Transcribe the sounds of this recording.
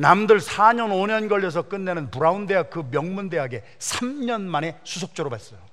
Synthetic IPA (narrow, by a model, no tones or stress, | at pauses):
namdɯɭsʰaɲʌnoɲʌnɡʌʎːʌs̬ʰʌk͈ɯnːenɯnpuɾaunde̞ɦak̚kɯmjʌŋmunde̞ɦaɡe̞ | sʰamɲʌnmane̞sʰus̬ʰʌk̚t͡ɕ͈ʌɾobas͈ʌjo